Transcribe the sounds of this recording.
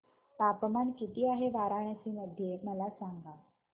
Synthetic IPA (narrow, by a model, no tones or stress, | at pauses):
papmankit̪iːaɦeʋaɾaɳjat͡ɕiːməd̪ʱːjeməlasaŋɡa